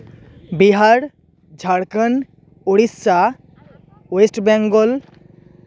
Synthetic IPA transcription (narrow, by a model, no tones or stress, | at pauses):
biɦaɾ | d͡ʒʱaɽkən | oɽist͡ʃa | wesʈbaŋɡol